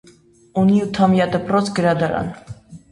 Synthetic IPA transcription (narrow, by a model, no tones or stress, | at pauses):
uniut̪ʰɑmjɑd̪əprɔt͡sʰɡəɾɑd̪ɑɾɑ̰n